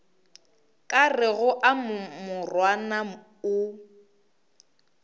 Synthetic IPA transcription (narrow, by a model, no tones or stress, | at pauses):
kʼarɪɣʊʔammʊrwana | ʊ